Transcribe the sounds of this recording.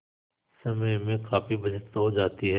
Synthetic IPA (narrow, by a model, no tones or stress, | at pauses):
sɐməjmẽkaːpibɐd͡ʒət̪ɦod͡ʒaːt̪iɦɛː